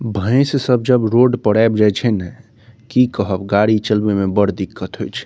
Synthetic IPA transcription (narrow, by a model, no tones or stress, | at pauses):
bʱə̃ɪ̃ssəb̚d͡ʒəbɾoɖpəɽaebd͡ʒajt͡ʃʰɛnɛ | kikəɦəbɡaɽit͡ʃəlbemebəɽd̪ikʰːət̪ɦojt͡ʃʰ